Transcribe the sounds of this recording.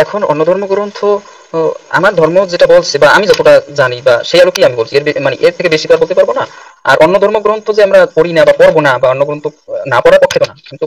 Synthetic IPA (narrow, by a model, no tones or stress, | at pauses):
ɛkʰonɔ̰nːod̪ʱɔɾmoɡɾont̪ʰo | a̰maɾd̪ʱɔɾmod͡ʑeʈabolt͡ɕʰebaamid͡ʑɔt̪oʈad͡ʑanibaʃejalokiamibolt͡ɕʰieɾemaneʔeɾt̪ʰekebeʃikɔɾaɾbolt̪epaɾbonaa̰ɾʔɔnːod̪ʱɔɾmoɡɾont̪ʰod͡ʑeamɾakoɾinabakɔɾbonabaɔnːoɡɾont̪ʰonapɔɾaɾpɔkʰːet̪onakint̪u